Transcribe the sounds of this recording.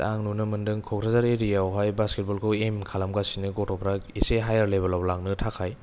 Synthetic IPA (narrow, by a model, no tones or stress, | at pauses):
aŋnunɯmɯndɯŋkʰɔkɾazaɾeɾijawɦajbasket̚balkʰɯwemkʰalamɡasinɯɡɔtʰɔpʰɾakiseɦajaɾlebalablaŋnɯtʰakʰaj